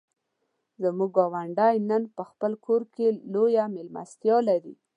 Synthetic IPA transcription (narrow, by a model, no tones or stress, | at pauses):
zamuɡɡɑwaɳɖajnənpəxpəlkʰoɾkelojamelma̰st̪jɑlaɾḭ